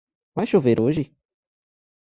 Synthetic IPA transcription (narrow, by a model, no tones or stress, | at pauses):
vajʃoveɾʔoʒɪ